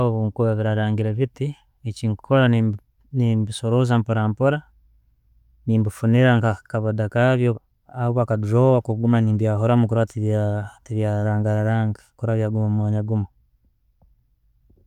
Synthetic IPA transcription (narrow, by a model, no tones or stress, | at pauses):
oβuːŋkuβaβiɾaɾaːŋɡiɾaβiti | eciŋkʰoɾa | nimbisoɾozampoɾaːmpoɾa | niːmbufuniɾaŋkakaβodakaβjo | aβakaduʒowakuɡumaniːmdijaɦoɾamukuɾatatiβjaɾaːŋɡaɾaɾaːŋɡakuɾaβjaɡumomwaːɲaɡumo